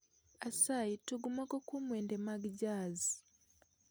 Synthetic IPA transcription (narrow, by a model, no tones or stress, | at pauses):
asaituɡumakokumweːndemaɡiɟaːzi